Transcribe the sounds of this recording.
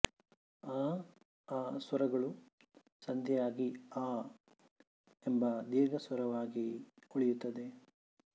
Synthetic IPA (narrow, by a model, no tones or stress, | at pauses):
aː | aːsʋɐɾɐɡɐɭu | sɐnd̪ʱjɛjaːɡiaː | embɐd̪iːɾɡɐsʋɐɾɐʋaːɡiɔɭijut̪ːɐd̪e̞